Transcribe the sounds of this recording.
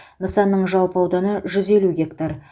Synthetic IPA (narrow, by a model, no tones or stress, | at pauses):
nəsɑnːəɴʒɑlˠpəɑwd̪ɑnəʒʏze̞luɡʲe̞kt̪aɾ